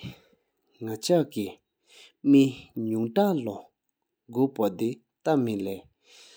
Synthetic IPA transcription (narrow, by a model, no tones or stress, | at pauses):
ŋat͡ɕʰaʔki | miɲuŋʈ͡ʂaʔlɔ | ɡoʔpad̪e | t̪amileː